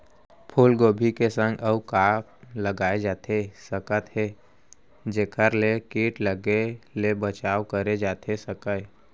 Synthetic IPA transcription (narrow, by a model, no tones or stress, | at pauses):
pʰuːlɡoːbʱikesə̃ŋɡəukaːpləɡaːed͡ʒaːt̪ʰesəkət̪ɦeː | d͡ʒeːkʰəɾlekiːʈləɡelebət͡ʃaːwkəɾed͡ʒaːt̪ʰesəkə